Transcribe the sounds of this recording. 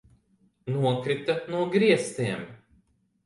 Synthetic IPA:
nuɔkɾit̪ɐnuɔɡɾiɛst̪ʲiɛm

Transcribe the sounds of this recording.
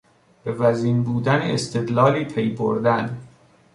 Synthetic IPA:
b̥e̞væziːnbuːd̪æneest̪ʰe̞d̪lɒːliːpʰejbo̰ɾd̪æn

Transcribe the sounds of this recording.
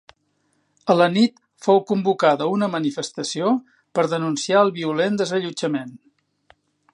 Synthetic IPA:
ələnit̪ | fowkumbukaðəunəmənifəst̪əsio | pəɾðənunsiaəlˠβiulend̪əzəʎud͡ʒəmen

